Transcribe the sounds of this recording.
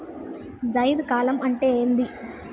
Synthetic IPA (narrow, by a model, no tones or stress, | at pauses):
d͡ʒɐjd̪kaːlɐmɐɳʈeːnd̪i